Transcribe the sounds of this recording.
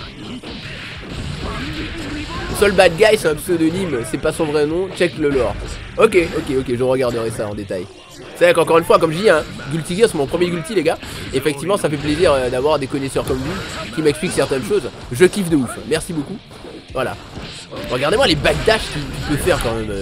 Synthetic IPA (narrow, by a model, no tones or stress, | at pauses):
sɔlbad̪̚ɡajsɛɛ̃psød̪ənimsɛpasɔ̃vʁɛnɔ̃t͡ʃɛkləlɔʁ | ɔkʲeʔɔkʲeɔkʲeʒəʁəɡaʁd̪əʁɛsaɑ̃d̪et̪aj | savɛkɑ̃kɔʁynfwakɔmʒəd̪iɛ̃ | ɡʲylt̪iɡɛsɛmɔ̃pχəmjeɡʲylt̪ileɡaefɛk̚t̪ivmɑ̃safɛpleziʁød̪avwaʁd̪ekɔnɛsœʁkɔmvukʲimɛkspliksɛʁt̪ɛnʃoz | ʒəkifd̪əufmɛʁsiboku | vwala̰ | ʁəɡaʁd̪emwalebad̪̚d̪aʃkikipøfɛʁkɑ̃mɛmø